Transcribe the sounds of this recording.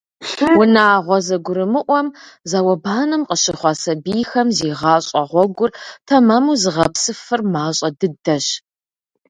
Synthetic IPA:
wʊnaːʁʷɔzɐɡʷʊɾɨmɨʔʷɔmzawɐbaːnɨmqʼəɕɪχʷɑsɐbijxɐmziːʁɑːɕʼɐʁʷɔɡʷʊrtʰɐmɐmuzɨʁɐpsɨfɨrmaːɕʼɐdɨdɐɕ

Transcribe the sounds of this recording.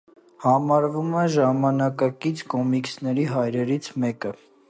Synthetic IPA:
hɑmɑɾvumɛʒɑmɑnɑkɑkit͡sʰkɔmiksnɛɾiɦɑjɾɛɾit͡sʰmɛkə

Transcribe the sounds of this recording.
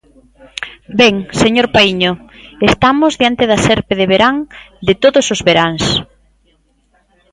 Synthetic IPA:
bɛŋseɲoɾpaiɲʊest̪amʊzðjant̪eðasɛɾpeðeβeɾaŋ | d̪ɪt̪oðʊsʊzβeɾaŋs

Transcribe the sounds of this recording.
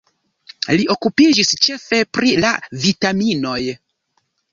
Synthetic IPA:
lio̞kupid͡ʒist͡ʃe̞fe̞pɾilavitamino̞j

